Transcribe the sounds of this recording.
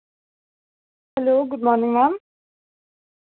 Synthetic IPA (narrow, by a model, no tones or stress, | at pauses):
hɛloːɡʊd̪mɔnɪŋmæn